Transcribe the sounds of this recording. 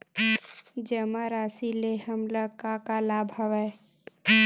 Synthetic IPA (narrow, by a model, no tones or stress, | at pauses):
d͡ʒəmaɾaːsilehəmləkakalaːbʱɦɐʋɛ